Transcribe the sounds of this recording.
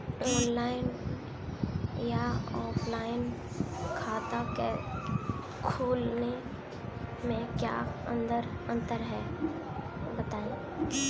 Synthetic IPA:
ɔːnlaːɪn | jaɔːpʰlaːɪn | kʰaːt̪ake | kʰuːlne | mẽkja̰ːə̰̃nd̪əɾə̃nt̪əɾɦɛ | bət̪aːe

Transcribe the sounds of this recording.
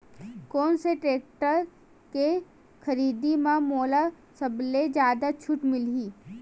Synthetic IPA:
kɔːnseʈɾeːk̚ʈəɾ | ke | kʰɐɾiːd̪imãmoːla | sɐbled͡ʒjaːd̪at͡ʃʰʊʈmɪliː

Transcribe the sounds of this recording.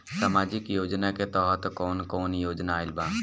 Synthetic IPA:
samaːd͡ʒɪkjoːd͡ʒnaket̪ɔːɦt̪kɔːnkɔːnjoːd͡ʒnaːɪlbãː

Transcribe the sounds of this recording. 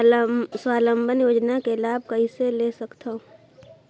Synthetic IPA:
swaːlə̃mbənjoːd͡ʒnakelaːb̚ʱkəɦiselesəkt̪ʰaũ

